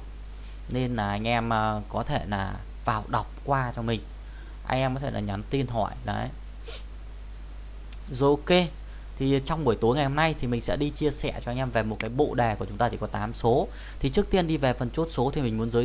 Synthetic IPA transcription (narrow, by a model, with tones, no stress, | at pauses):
ne˧nlaː˨˩ʔa˧jŋ̟ʔɛ˧mʔəː˨˩kɔ˨˦t̪ʰe˧˩laː˨˩ | vaː˨˩wɗa˨˩wk͡p̚kwaː˧t͡ɕɔ˧mï˨˩ŋ̟ | ʔa̰˧jŋ̟ʔɛ˧mkɔ˨˦t̪ʰe˧˩laː˨˩ɲa˨˦nt̪i˧ənɦɔ̰˧˨jla̰˨ʔj | zo˨˩ke˧ | t̪ʰi˨˩t͡ɕɔ˧wŋ͡mɓu˧˩əjt̪u˨˦jŋa˨˩jho˧mna˧jt̪ʰi˨˩mï˨˩ŋ̟sɛ̰˧˥ɗi˧t͡ɕi˧əsɛ̰˧˩t͡ɕɔ˧ʔa˧ŋ̟ʔɛ˧mve˨˩mo˨˩t̚kaː˨˦jɓo̰˧˨ɗɛ˨˩ku˧˩ət͡ɕʊ˨˦ŋ͡mt̪ːt͡ɕi˧˩kɔ˨˦t̪aː˨˦mso˨˦ | t̪ʰi˨˩t͡ɕɨ˦˥ək̚t̪i˧ənɗi˧ve˨˩fə˨˩nt͡ɕo˦˥t̚so˨˦t̪ʰi˨˩mi˨˩ŋ̟mu˨˦ənzəː˨˦